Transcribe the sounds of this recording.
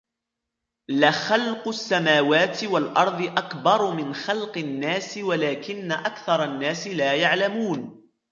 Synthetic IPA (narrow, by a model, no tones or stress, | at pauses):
laxalqʊsːamaːwaːt̪ɪwalʔɑɾˤðˤɨʔakbɑɾˤmɪnxalqɪnːaːsɪwalaːkɪnːaʔakθɑɾˤɑnːaːsɪlaːjaʕlamuːn